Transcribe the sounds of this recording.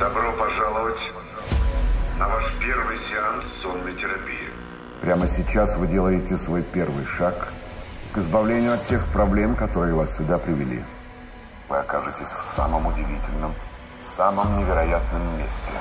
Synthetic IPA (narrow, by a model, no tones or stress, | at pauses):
d̪̥ɐbɾopɐʐalˠəvətʲ | nɐvaʂpʲervɨjsʲɪanszonːəjtʲɪɾɐpʲḭjɪ̰ | pɾʲaməsʲɪt͡ɕasvɨdʲelˠəjɪtʲɪsvo̞jpʲe̞rvɨjʂak | kɨzbɐvlʲenʲɪjʊɐt̪tʲːe̞xpɾɐblʲe̞mkɐt̪o̞ɾɨjɪvassʲʊd̪apɾʲɪvʲɪlʲḭ | vɨ̰ɐkaʐɨtʲɪsʲfsa̰məmʊdʲɪvʲitʲɪlʲnəm | saməmnʲɪvʲɪɾɐjat̪nəmːʲesʲtʲɪ̰